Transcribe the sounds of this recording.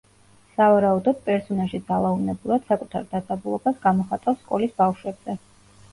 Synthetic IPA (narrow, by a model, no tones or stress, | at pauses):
savaɾaud̪ɔd̪̥̚pʼɛɾsɔnaʃid̪zalˠaunɛbuɾad̪̥sakʼut̪ʰaɾd̪ad̪zabulˠɔbasɡamɔχat̪ʼaskʼɔlisbafʃwɛbz̥ɛ